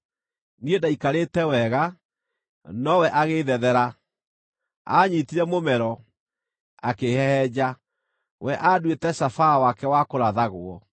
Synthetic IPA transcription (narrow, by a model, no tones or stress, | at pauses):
niedaikaɾetɛwɛɣa | nɔwɛʔaɣeðɛðɛɾa | a̰ɲitiɾɛmomɛɾɔ | akehɛhɛd͡ʑa | wʔɛʔadwetɛɕafawakɛwakoɾaðaɣoɔ